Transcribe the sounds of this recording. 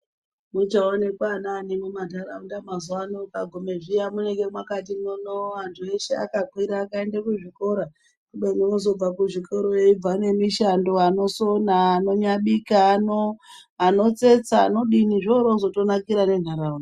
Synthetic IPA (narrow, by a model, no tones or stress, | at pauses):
mut͡ʃaone̞kwananimumadʱaraundamazuwanokaɡʱomeʐijamuneke̞mwakat̬inonoantʰue̞ʃea̰kakwiɾaːkae̞ndakuʐiko̞ɾa | kuɓenomozo̞b͡vakuʐiko̞ɾojeib͡vane̞miʃando̞ano̞so̞naːnoɲaɓikaːnoano̞t͡se̞t͡sa̰ːno̞ɗiniʐoɾozo̞to̞nakiɾane̞n̤aɾauni